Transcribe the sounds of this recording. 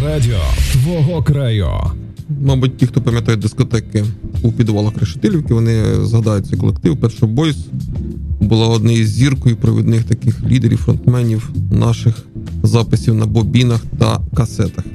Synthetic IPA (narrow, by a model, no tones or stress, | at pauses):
ɾadʲiɔ̰sʋɔɦɔkɾɛjṵ | mɑbut̚ʲtʲːixt̪ɔpɐmʲjɐt̪ɑjʊt̚ʲd̪ɪskɔt̪ɛkɪupʲid̪ʋɑlˠɐxɾeʃɪ̥t̪ɛlʲiwʲkɪʋɔnɪzɦɐd̪ɑjʊt͡sʲːɐkɔ̰lˠek̚t̪ɪʋpɛʃt͡ʃɔbɔjs | bʊlˠɑɔd̪nɛjizʲzʲirkɔjupɾɔʋʲḭd̪nɪxt̪ɐkɪxlʲid̪eɾʲḭwfɾɔ̰nt̪mɛnʲiwnʔɑʃɪxzɑpɪsʲiwnɐbɔbʲinɐxt̪ɐ̰kɐsɛt̪ɐx